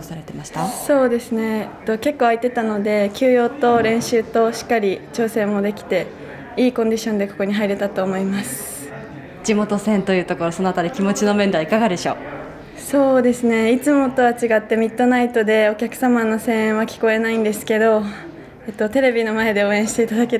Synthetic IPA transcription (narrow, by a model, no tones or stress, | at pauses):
saɾe̞t̪e̞maɕi̥t̪aso̞ːd̪e̞sɨne̞t̪ːo̞kʲe̞kːo̞ːait̪e̞t̪ano̞d̪e̞kʲɨːjo̞ːt̪o̞ɾẽ̞ɰ̃ɕɨːt̪o̞ɕi̥kːaɾʲit͡ɕo̞ːsẽ̞mːo̞d̪e̞kʲi̥t̪e̞ | iːkõ̞ɲ̟d̪iɕõ̞nd̪e̞ko̞̥ko̞ɲ̟iɦaiɾe̞t̪at̪o̞ːmo̞imasɨ̥ | d͡ʑimo̞t̪o̞sẽ̞nt̪o̞jɯ̟ːt̪oko̞ɾo̞sonoat̪aɾʲikʲimo̞t͡ɕino̞mend̪aikaɡad̪e̞ɕo̞̰ː | so̞ːd̪e̞sɨne̞it͡sɨmo̞t̪o̞βat͡ɕiɡat̪ːe̞mʲit̪ːo̞nait̪o̞d̪e̞o̞kʲakɯ̥samano̞sẽ̞βakʲi̥ko̞e̞naĩnd̪e̞sɨ̥ke̞d̪o̞ | et̪ːo̞t̪eɾe̞bʲinomae̞d̪e̞o̞ːẽ̞ɕi̥t̪e̞it̪ad̪ake